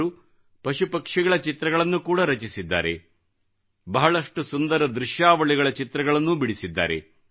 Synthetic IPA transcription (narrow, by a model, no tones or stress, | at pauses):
ɾu | pɐʃupɐkʂiɡɐɭɐt͡ʃit̪ɾɐɣɐɭɐnːukuːɽɐɾɐt͡ʃisid̪ːa̰ːɾḛ | bɐɦɐɭɐʂʈusund̪ɐɾɐd̪ɾiʃjaːʋɐɭiɣɐɭɐt͡ʃit̪ɾɐɡɐɭɐnːubiɽisid̪ːa̰ːɾḛ